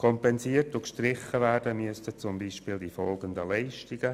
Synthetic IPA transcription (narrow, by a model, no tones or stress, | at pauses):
kʰɔmpɛnziːərtʊkʃtrɪχːəvæːrdəmyəstət͡sʊmbiːʃpɪːldifɔlɡəndəlɛɪʃtiɡ̥ə